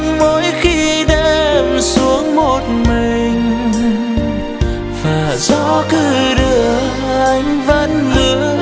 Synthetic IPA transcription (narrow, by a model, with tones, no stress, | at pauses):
ŋmo˨˦jxi˧ɗɛ˧msu˨˦əŋmo˨˩t̚mï˨˩ŋ̟ | vaː˨˩zɔ˧˥kɨ˧˩ɗɨ˧˩ə | ʔa˧˦jŋ̟və˧˥nlɨ˧˦ə